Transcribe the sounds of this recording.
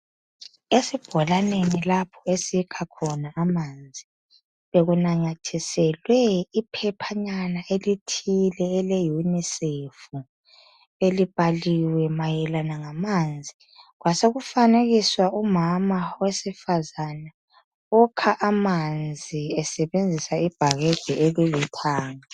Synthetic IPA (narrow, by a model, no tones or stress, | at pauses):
esib̥ʱɔlanenilapʰɔesikʰakʰɔnaːmand͡zʱi | βeɣunaɲatʰisɛlwɛipʰɛpʰaɲanaelitʰilɛːlejunisefu | elib̥ʱaliwɛmajɛlanaŋamaːnd͡zʱi | ɣwasoɣufaneɣiswaumamawesifazana | ɔkʰaʔamand͡zʱiɛsɛβend͡zʱisaib̥ʱaɣɛd̥ʱɛʔeɣulitʰaːŋa